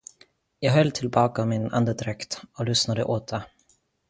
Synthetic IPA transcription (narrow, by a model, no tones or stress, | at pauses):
jɑːɡɦœlːt̪ʰɪlbɑːkaɔmɪna̰nd̪əd̪ɾɛkt̪ɔlʏsnad̪əʔoːt̪ʰa